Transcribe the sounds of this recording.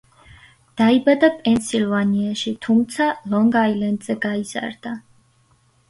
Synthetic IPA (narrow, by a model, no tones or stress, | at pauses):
d̪̥aibad̪apʼɛnsilˠvaniaʃit̪ʰumt̪sʰalɔŋɡailɛnd̪zɛɡaiz̥a̰ɾd̪a